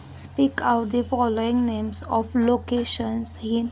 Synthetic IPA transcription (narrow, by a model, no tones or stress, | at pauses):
spiːkaʊʈ̚d̪ifɔloɪ̃ŋnẽːmsɔflokeːʃə̃nshĩn